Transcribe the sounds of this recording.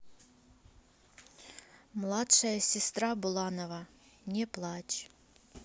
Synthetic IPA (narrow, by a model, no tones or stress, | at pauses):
mlˠatʂɐjɐsʲɪst̪ɾabʊlˠɑnova | nʲeplˠat͡ɕ